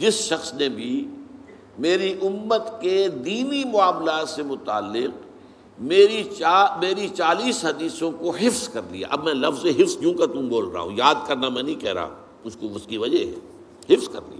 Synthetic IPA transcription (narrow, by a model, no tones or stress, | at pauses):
d͡ʒɪsʃɐxsnebʱi | meːɾiʔʊmːət̪ked̪iːnimʊaːmlaːt̪semʊt̪a̰ːlːɪq | meːɾiaːmeːɾit͡ʃaːliːsɦɐd̪iːsõkoɦɪfzkɐɾlḭja̰ʔɐbmɛ̃lɐfzeɦɪfzjũːkat̪ʊ̃mboːlɾa̰a̰ːɦṵ̃jaːd̪̚kɐɾnamɛ̃nɐĩkɛɦɾa̰ː | mʊd͡ʒkoʊskiʋɐd͡ʒəɦɛ̰ː | hɪfzkɐ̰ɾlḭa̰ː